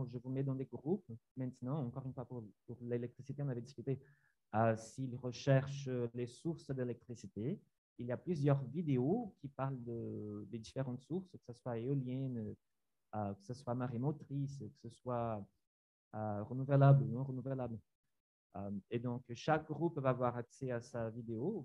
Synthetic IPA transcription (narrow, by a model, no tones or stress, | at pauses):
ʒəvumɛd̪ɑ̃d̪eɡʁupmɛ̃t̪nɑ̃ɑ̃kɔʁynfwapuʁpuʁlelɛk̚t̪χisit̪eɔ̃navɛd̪iskyt̪e | əsiːlʁəʃɛʁʃlesuʁsd̪elɛk̚t̪χisit̪e | iljaplyzjœʁvid̪eokʲipaʁld̪əd̪ed̪ifeʁɑ̃t̪suʁskə̥saswaeɔljɛn | økə̥səswamaʁemot̪χiskə̥səswa | øʁənuvəlablunɔ̃ʁənuvəlabl | ømed̪ɔ̃kʃak̚ɡʁuppːøvavwaʁaksɛasavid̪eo